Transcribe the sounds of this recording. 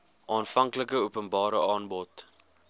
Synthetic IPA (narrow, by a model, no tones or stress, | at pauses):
ʔɑːnfɐŋkləkəupənbɑːɾəɑːnbɔt